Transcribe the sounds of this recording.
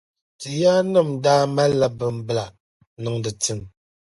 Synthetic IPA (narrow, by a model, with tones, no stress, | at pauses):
tɨ˨jaː˦nə˦˨m˦daː˦ma˦la˦bə˨m̩˨bla˨ | nu˨ŋdɨ˨ti˦˨m